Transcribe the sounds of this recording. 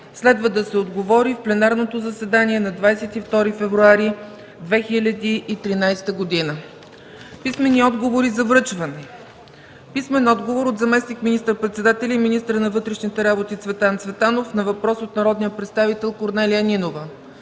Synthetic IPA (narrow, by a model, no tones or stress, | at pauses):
slɛd̪vəd̪ɐsɛod̪ɡovɔɾifplɛnaɾnot̪ozɐsɛd̪aniɛnɐd̪vajsɛt̪ift̪ɔɾifɛvɾuaɾi | d̪vɛxilʲəd̪iʔːt̪ɾinajst̪əɡod̪inə | pismɛniɔd̪ɡovoɾizɐvɾɤt͡ʃvɐnɛ | pismɛnɔd̪ɡovoɾod̪zɐmɛsnikminist̪əɾpɾɛt̪sɛd̪at̪ɛlʲiminist̪ɾənɐvɤt̪ɾɛʃnit̪ɛɾabot̪it̪svɛt̪ant̪svɛt̪anofnɐvɐpɾɔsot̪nɐɾɔd̪nijəpɾɛt̪st̪avit̪ɛlˠkoɾnɛlijəninovə